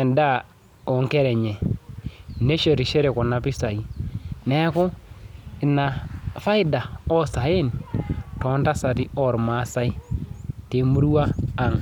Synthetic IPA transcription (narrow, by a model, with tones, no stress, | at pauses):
ɛ˨nda˦˨ | ɔ˨ŋkɛ˦ɾɛ˨ɲɛ˨ | ne˦ʃe˨ɾi˨ʃe˦ɾe˨kɔ˨na˨pi˦sa˨i˦nɛ˦kʊ˦ | ɪ˨na˨fa˦i˦da˨ɔ˦sa˨e˦ntɔ˨˦nta˦sa˨ti˦ɔ˦˨ɾma˦sa˦i˦te˨mu˦ɾu˦waː˦ŋ